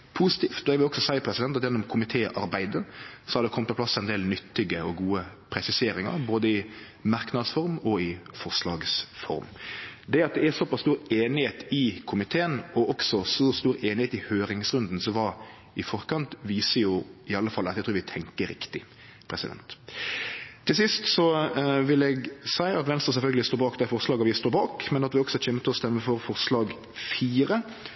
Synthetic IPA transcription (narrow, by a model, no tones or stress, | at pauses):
pʰusɪt̪ʰiːft̪ɔɛʋɪlɔksɔsæɪəpʰɾɛsɪd̪ɛnt̪ɑt̪jɛnːɔmkʰʊmɪt̪ʰeːʔɑɾbæɪd̪əsɔhɑɾd̪ɛkʰɔmt̪pʰɔplɑsːɛɪnd̪eːlnʏt̪ːɪɡəɔɡuːəpʰɾɛsɪseːɾɪŋɑ̰ɾboːd̪əɪ | mɑɾknɑd̪sfɔɾmɔɪfɔʁʂlɑːɡsfɔ̰ɾmd̪ɛɑt̪̚d̪ɛæɾsɔpɑst̪uːɾeːnɪheːt̪ɪkʰʊmɪt̪ʰeːənɔʔɔksɔsuːst̪uːɾeːnɪheːt̪ɪhøːɾɪŋsɾʉnd̪n̩sɔmʋɑ | ɪfɔɾkɑnt̪ʋiːsəjʊɪɑlːəfɑlːɑt̪ːɛt̪ʰɾuːɾʋɪt̪ʰɛŋkəɾɪkt̪ɪ | pʰɾɛsɪd̪ɛ̰nt̪ | t̪ʰːɪlsɪst̪sɔʋɪlɛɡsæɪɑt̪ʋɛnst̪ʁəs̬ɛlfœlɡəlɪst̪oːbɑːkd̪æɪfɔʁslɑːɡɑʋɪst̪oːɾbɑːkmɛnɑt̪ʋɪɔksɔc͡çɛmːət̪ʰɔst̪ɛmːəfɔɾfɔɾslɑːɡ | fiːɾə